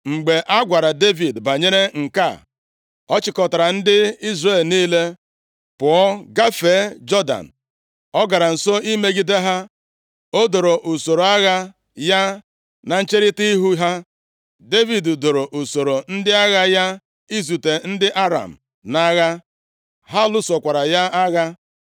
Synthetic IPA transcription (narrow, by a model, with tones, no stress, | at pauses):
ŋ͡m̩˨ɡ͡be˨ʔa˦ɡʷa˨ɾa˨de˦vi˨dba˨ɲe˦ɾe˦ŋ̩˨ka̰˦˨ | ɔ˦t͡ʃɪ˨kɔ˨ta˨ɾa˨n̩˦dɪ˦i˦zre˨lniː˦le˦ | pʊ˨ɔ˦ɡa˦fe˨˦d͡ʒɔ˦da̰˨n̩˨ | ɔ˦ɡa˨ɾa˨n̩˨so˦i˦me˦ɡi˦de˦ɦa˦ | o˦do˨ɾo˨ʔu˨so˨ɾo˨a˦ɣa˦ | ja˦ | na˨n̩˦t͡ʃe˦ɾɪ˦ti˦i˦ɦu˦ɦa˦ | de˦vi˨ddo˨ɾo˨ʔu˨so˨ɾo˨n̩˦dɪ˦a˦ɣa˦ja˦ | i˦zu˨te˨n̩˦dɪ˦ʔa˦ɾa̰˨m̩˨ | na˦ɣa˦ | ɦa˦lʊ˦so˨kʷa˨ɾa˨ja˦ʔa˦ɣa˦